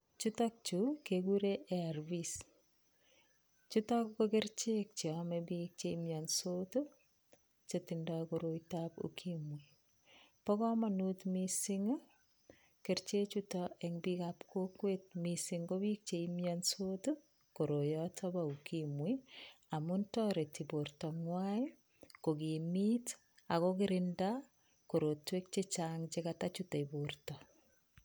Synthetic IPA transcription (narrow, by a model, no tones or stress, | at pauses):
t͡ʃutak̚t͡ʃukekuɾeʔearbis | t͡ʃutakkokert͡ʃek̚t͡ʃeɔmɛbik̚t͡ʃeimjɔnsoto | t͡ʃetindakoɾojtapṵkʰimwi | pɔkɔmanutmisiŋ | keɾt͡ʃet͡ʃutɔeŋbikapkʰokwet̚misiŋɡobik̚t͡ʃeimjɔnsotu | koɾojɔtʰɔbaukimwiamuntɔɾetibortɔŋwai | kokimit | akɔkɪɾɪnda | koɾotwek̚t͡ʃet͡ʃaŋt͡ʃekatat͡ʃutɔibortɔ